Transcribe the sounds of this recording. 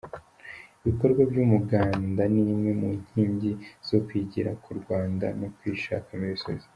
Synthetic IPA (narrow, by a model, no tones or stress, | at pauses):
iβiko̞ɾɡwabɟuːmuɡaːndanimŋe̞muɲ̥hiːɲɟiz̥o̞kwiɟiɾakuɾɡwaːnda̰nokwiʃa̰kamiisoɾiz̥